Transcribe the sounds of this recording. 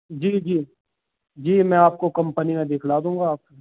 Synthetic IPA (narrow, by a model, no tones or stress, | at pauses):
d͡ʒiːd͡ʒiː | d͡ʒiːmɛ̃ːaːp̚kokɐ̃mpənimẽd̪eːkʰlaːd̪ũːŋɡaːp̚e